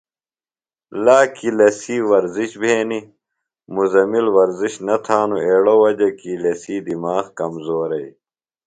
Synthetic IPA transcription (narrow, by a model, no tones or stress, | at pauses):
laːkilɐsiːwɐɾziɕbʱeːni | muzɐmilwɐɾziɕnɐt̪ʰaːnueːɽowɐd͡ʑɐkilɐsiːd̪imaːxkɐmzoːɾɐi